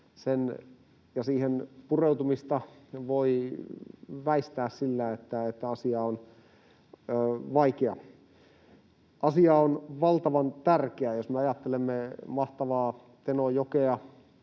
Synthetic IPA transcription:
sen | jɑsiːhenpureut̪umist̪ɑʋoi | ʋæist̪æːssilːæet̪ːæet̪ːæɑsiɑon | ʋɑikeɑ | ʔɑsiɑonʋɑlt̪ɑʋɑnt̪ærkeæjosmeɑjɑt̪ːelemːemɑht̪ɑʋɑː | t̪enojokeɑ

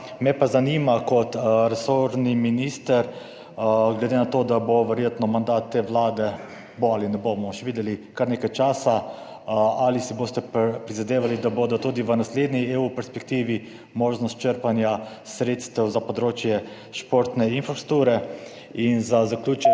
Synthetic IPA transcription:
mɛpazanimakɔt̪ɾɛsoɾniminist̪əɾ | ɡled̪enat̪oːd̪aboʋɛɾjeːt̪nɔmand̪aːt̪ːeːʋlaːd̪ɛ | boalinɛbomɔʃɛʋiːd̪jɛlikaɾneːkajt͡ʃaːsa | alisiboːst̪ɛpɾizad̪eːʋalid̪abod̪ɔt̪uːd̪iʋənasled̪nieupɛɾspɛkt̪iːʋi | moːʒnɔst̪̚t͡ʃəɾpanja | sɾet̪st̪ɛwzapɔd̪ɾoːt͡ʃjɛ | ʃpoɾt̪nɛinfasɾt̪uːɾɛ | inzazakljuːt͡ʃ

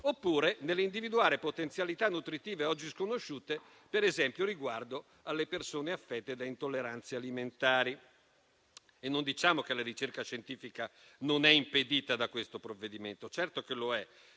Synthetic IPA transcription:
opːuːɾenelːeind̪ivid̪uaːɾepot̪ent̪sjalit̪anːut̪ɾit̪iːveɔd͡ʒːiskonoʃːuːt̪e | peɾezɛmpjoɾiɡward̪o | alːepersoːneafːɛt̪ːed̪aint̪olːeɾant̪sealiment̪aːɾi | enːond̪it͡ʃaːmok̟elaɾit͡ʃerkaʃent̪iːfika | nonɛimped̪iːt̪ad̪akwest̪opɾovːed̪iment̪ot͡ʃɛrt̪okeloɛ

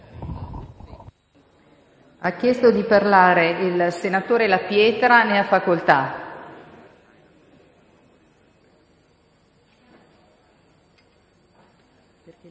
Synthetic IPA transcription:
akːjɛst̪od̪iparlaːɾeilsenat̪oːɾelapjɛːt̪ɾaneafakolt̪a

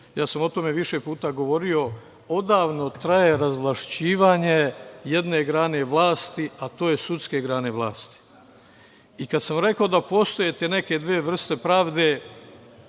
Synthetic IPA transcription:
jaːsamo̞t̪o̞me̞ʋiʃe̞puːt̪aɡo̞ʋo̞ɾio̞ | o̞d̪aːʋno̞t̪ɾaje̞ɾazʋlˠaʃt͡ɕiːʋaːɲe̞je̞d̪ne̞ɡɾaːne̞ʋlˠaːst̪iat̪o̞ːjesut̪ske̞ɡɾaːne̞ʋlˠaːst̪i̥ | ikad̪samɾe̞kaod̪apo̞st̪o̞jet̪ene̞ke̞d̪ʋeːʋr̩st̪e̞pɾaːʋd̪e

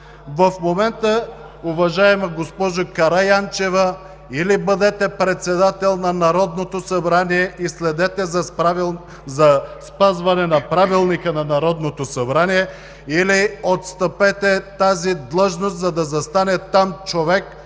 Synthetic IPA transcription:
vɐfmomɛnt̪ə | ʊvɐʒaɛmɛɡospɔʒokɐɾajant͡ʃɛvɐ | ilibəd̪ɛt̪ɛpɾɛt̪sɛd̪at̪ɛlˠnanaɾɔd̪not̪osɐbɾaniɛislɛd̪ɛt̪ɛzɐ | zɐspazvɐnɛnɐpɾavilˠnikənɐnɐɾɔd̪not̪osɐbɾanijɛ | iliot̪st̪əpɛt̪ɛt̪azid̪lˠɤʒnost̪zɐd̪ɐzɐst̪anɛt̪amt͡ʃovɛk

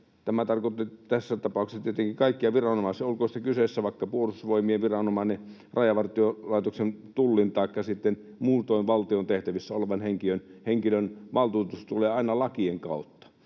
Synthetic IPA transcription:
t̪æmæt̪ɑrkot̪ːit̪æsːæt̪ɑpɑˑuksɑt̪iet̪eŋkikɑˑikːiɑʋirɑnomɑˑisiolkoˑst̪ːækysesːæʋɑˑikːɑpuolusʋoimiɑʋirɑnomɑˑne | rɑjɑʋɑrt̪iolɑˑit̪oksent̪ulːint̪ɑˑikːɑsit̪ːen | muːt̪oˑinʋɑlt̪iont̪eht̪æʋisːæoleʋɑnheŋkiønheŋkilønʋɑlt̪uːt̪ust̪uleːɑˑinɑlɑkieŋkɑˑut̪ːɑ̥

